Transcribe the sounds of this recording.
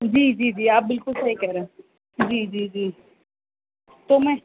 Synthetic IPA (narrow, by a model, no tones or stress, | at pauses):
d͡ʒiːd͡ʒiːd͡ʒiːaːp̚bɪlkʊlsɐɦikɛɦɾẽː | d͡ʒiːd͡ʒiːd͡ʒiː | t̪oːmɛ̃ː